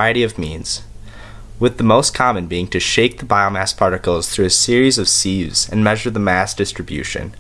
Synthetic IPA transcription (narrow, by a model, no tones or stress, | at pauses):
ɪɨɾiʌvmĩnz̥ | wɨðəmoʊskʰɑmɨ̃nbiɪ̃ŋtʰɨʃeɪk̚ðəbaɪomæspʰɑɹɾɨkl̩ˠz̥θɹʉɨsɪɹizʌv̥sivz̥ɨ̰̃nmɛʒə˞ðəmæsd̥ɪstɹ̥ɨbjʉ̰ʃɨ̰̃n